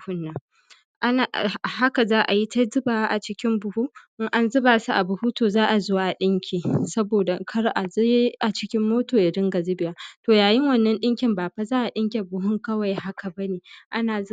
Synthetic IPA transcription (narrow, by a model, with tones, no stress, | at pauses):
hʊ˦nːɐ˦ŋ | ʔa˦na˨ha˦ka˨zaː˦ʔa˨ji˦ta˦zɪ˦baː˨˦ʔa˨t͡ʃɪ˦kʲɪ˦mbʊ˨huː˦ʔɪ˦ŋʔa˦nzɪ˦baː˨su˦ʔa˨bʊ˨hu˦toː˨zaː˦ʔa˨zʊ˦waː˨ɗɪ˦ŋkʲʰiː˨sɐ˦boː˨da˨kʰɐ˦ɾʔa˨zjʔa˨t͡ʃɪ˦kʲɪ˦mːoː˦toː˨ja˨dɪ˦ŋɡa˨zɪ˦bɪ˨jaː˦toː˨jaː˨jɪ˦ŋwɐ˦nːɐ˦nɗɪ˦ŋkʲɪ˨mbaː˨ɸa˦zaː˦ʔa˨ɗɪ˦ŋkʲe˨bʊ˨ɦʊ˦ŋkɐ˦wa˨jha˦kʰa˨bɐ˦neː˨ʔa˦naː˨z